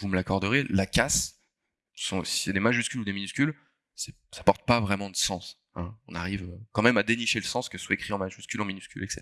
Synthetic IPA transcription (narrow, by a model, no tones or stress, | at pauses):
vuməlakɔʁd̪əʁelakas | sɔ̃si̥sɛd̪emaʒyskʲylud̪eminyskʲyl | sɛ̥ | sḁpɔʁt̪̚pavʁɛmɑ̃d̪əsɑ̃s | ɛ̰̃ɔ̃naʁivøkɑ̃mɛmad̪eniʃeləsɑ̃skəsə̥swaekχiɑ̃maʒyskʲylɑ̃minyskʲylɛksɛ̰t̪